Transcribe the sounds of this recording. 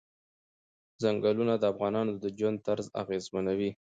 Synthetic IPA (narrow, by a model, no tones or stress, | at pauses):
zaŋɡalunad̪əafɣɑnɑnod̪əd͡ʒwand̪̚t̪aɾza̰ɣezmanawi